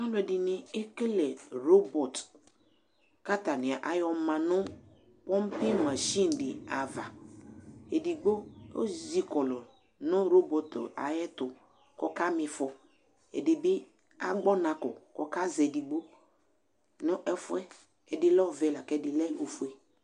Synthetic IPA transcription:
a˦lʊ˨ɛ˨dɪ˨nɪ˦e˦kɪ˦lɛ˨ɾo˦bɔ˨t | ka˦ta˨nɪ˨a˨ʔa˨jɔ˨mã˨nʊ̃˦ | pɔ˦m˦pi˦mã˨ʃi˦n˨dɪ˨a˨va˨ | e˨di˨ɡ͡bo˦o̰˦zi˨kɔ˨lɔ˨ | nʊ˦ɾo˦bo˨ta̰˨jɛ˦tʊ˨ | kɔ˦ka˦mɪ˨fɔ˨ | ḛ˨dɪ˨bi˦ | a̰˦ɡ͡bɔ˦nã˨kɔ˨kɔ˦ka˦zɛ˨di˨ɡ͡bo˦ | nʊ˦ʔɛ˦fʊ˦ɛ˦ | ɛ˨dɪ˨lɔ˦ɔ˨ve˨˦˨la˨kɛ˦˨di˨lɛ˦o˨fu˨e˨

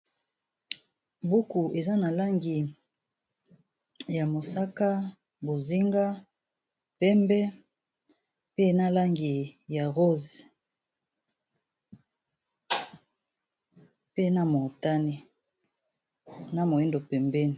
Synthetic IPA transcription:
bu˦ku˨ʔe˨za˦na˨la˦ŋɡi˨ | ja˨mo˨sa˦ka˦ | bo˨zi˦ŋɡa˦ | pɛ˦mbɛ˦ | pe˦na˦la˦ŋɡi˨ja˨ʁo˦zi˨ | pe˦na˦mo˨ta˦ni˨ | na˨mo˨i˦ndo˨pɛ˨mbɛ˦ni˨

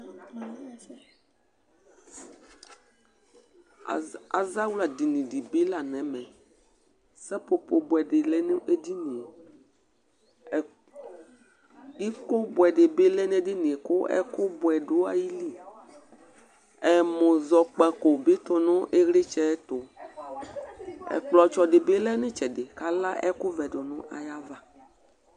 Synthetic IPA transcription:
a˨za˦wu˦la˨di˨nĩ˨di˨be˦la˨nɛ̃˨˦mɛ̃˨ | sɛ˦po˨po˨bʊ˨ɛ˨de˨lɛ˦nũ˦ʔe˦di˦nĩ˨e˨ | ji˦ko˦bʊ˨ɛ˨de˨be˦lɛ˦nẽ˦di˦nĩ˨e˨kʊ˦ɛ̰˦kʊ˦bʊ˨ɛ˨ɖo˦a̰˨ji˦li˦ | ɛ˨mõ˨zɔ˨k͡pa˨ko˨be˦t̪ɔ˦nʊ̃˦ʔe˦ɣɾe˦t͡ʃɛ˦t̪ʊ˨ | ɛ̰˨k͡plɔ˨t͡ʃɔ˨de˨be˦lɛ˦nẽ˦t͡ʃɛ˨de˨ka˦la˦ʔɛ̰˦kʊ˦vɛ˨do˨nʊ̃˦ʔa̰˨ja˦va˦

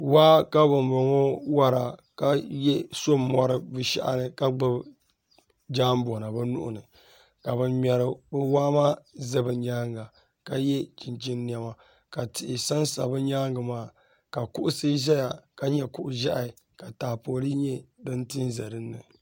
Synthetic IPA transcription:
waː˦ka˦bʊ˨mbo˨ŋo˦wa˦ɾa˨ka˦jɛ˦soː˦ɔ˦ɾɨ˦vɨ˨ʃɛ̰˦ʔa̰˦nɨ˨ka˦ɡ͡bɨ˦b | d͡ʒaː˦m˦bo˨na˨bɨ˦nʊ̰˦ʔʊ̰˨nɨ˨ | ka˨bɛ˨mɛ˨ɾɨ˨bɨ˦waː˦maː˦zɨ˦bɨ˨ɲaː˦ŋɡa˨ | ka˦jɛ˦t͡ʃi˨nt͡ʃi˦nːi˨a˨ma˨ | ka˨tɪ˨ʔɪ˨sa˦nsa̰˨bɨ˦ɲaː˦ŋɡɨ˨maː˦˨ | ka˨kʊ˦ʔʊ˦sɨ˦ʒɛ˦ja˨ka˦ɲɛ˨kʊ˨ʔʊ˨ʒa˦ʔa˨ | ka˨taː˨poː˨li˦ɲɛ˦dɨ˦ntɨ˦nzɛ˨ɾɨ˦nːɨ̰˨

